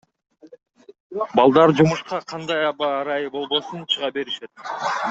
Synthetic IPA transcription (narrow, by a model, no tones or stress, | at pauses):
bɑlˠd̪ɑɾd͡ʒumuʃqɑqʰɑnd̪ɑjɑbɑːɾɑjɯbo̞lˠbo̞sunt͡ʃʰɯʁɑbe̞ɾiʃe̞t̪̚